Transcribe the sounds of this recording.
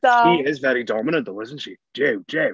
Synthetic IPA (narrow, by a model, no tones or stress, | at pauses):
iɪzvɛɾidɑməñɨ̃nt̪̚ðəwʌz̃n̩tʃi̥ | d͡ʒ̥eɪd͡ʒeɪ